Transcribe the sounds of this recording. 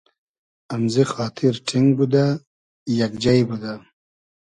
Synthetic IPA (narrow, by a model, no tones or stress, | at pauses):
amzixɑːt̪ʰiɾʈʰiŋɡbud̪a | jakd͡ʒajbud̪a